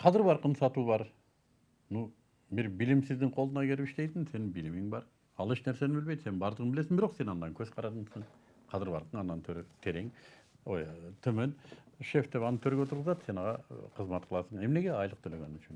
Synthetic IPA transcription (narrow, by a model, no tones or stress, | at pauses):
qʰɑzɪɾbɑɾqənsɑt̪ubɑɾ | nu | bɪɾbilɪmsɪzd̪ɪŋqʰo̞lˠənɑkʲʰe̞ɾɪpɪʃt̪e̞jt̪ɪŋse̞nɪbilɪmɪŋbɑɾ | ɑlˠeʃnæɾse̞nɪbɪlbe̞jd̪se̞ɪnbɑɾd̪əʁənbɪle̞sɪŋbɪɾo̞qse̞nɑnd̪ɑŋkʲʰɵzqʰɑɾɑt̪əɴsəɴ | qʰɑzɪɾbɑɾqəɴɑnːɑnt̪ʰøɾet̪ʰe̞ɾeŋojt̪ʰɵmenʃeft̪e̞pɑnət̪ʰɵɾɡʲeot̪əɾʁəzɑd̪se̞nɑʁɑqʰəzmɑt̪qʰəlˠɑsəɴe̞mne̞ɡʲe̞ɑjlˠəq̚t̪ʰɵleɡʲenɪnʏ̥ʃɪn